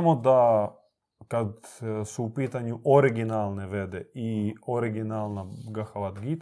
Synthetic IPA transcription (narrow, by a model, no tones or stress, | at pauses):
mod̪a | kad̪suːpiːt̪aɲuʔoɾiɡinalˠneʋed̪ɛioɾiɡinaːlˠnaɡaxaʋat̪ɡit̪